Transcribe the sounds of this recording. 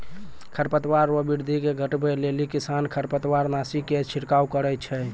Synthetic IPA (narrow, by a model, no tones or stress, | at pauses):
kʰəɾpət̪waɾəbiɾd̪ʱikeɡʱəʈbelelikisankʰəɾpət̪waɾnasiket͡ʃʰiɾkaukəɾət͡ʃʰɛ